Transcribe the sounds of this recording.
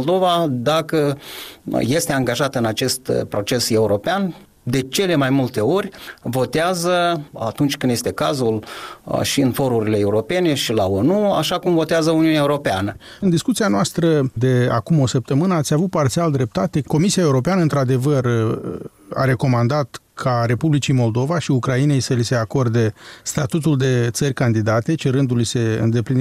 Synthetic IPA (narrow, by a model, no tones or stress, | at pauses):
old̪o̞vad̪akə | je̞st̪e̞aŋɡaʒat̪ɨnat͡ʃe̞st̪pɾo̞t͡ʃe̞se̞uɾo̞pean | d̪e̞t͡ʃe̞le̞majmult̪e̞o̞rʲvo̞t̪eazəat̪unt͡ʃʲkɨnd̪je̞st̪e̞kazulʃiɨnfo̞ɾuɾile̞euɾo̞pe̞ne̞ʃila̰onua̰ʃakumvo̞t̪eazəuniunʲaeuɾo̞peanə | ɨnd̪iskut̪sianoast̪ɾəd̪e̞akumo̞səp̚t̪əmɨnəat̪sʲavut̪̚part̪siald̪ɾe̞p̚t̪at̪e̞ko̞misiae̞uɾo̞p̬eanəɨnt̪ɾad̪e̞vər | a̰ɾe̞ko̞mand̪at̪ | kʰaɾe̞publit͡ʃimo̞ld̪o̞vaʃiukɾaine̞jsəlise̞ako̞rd̪e̞st̪at̪ut̪uld̪e̞t̪sərʲkand̪id̪at̪e̞t͡ʃeɾɨnd̪ulise̞ɨ̰nd̪e̞plin